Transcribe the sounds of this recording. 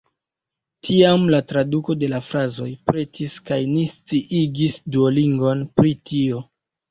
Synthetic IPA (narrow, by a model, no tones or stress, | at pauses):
tʰiamlatɾaduko̞de̞lafɾazo̞jpɾe̞tʰiskajnist͡siʔiɡisduoliŋɡo̞npɾitʰio̞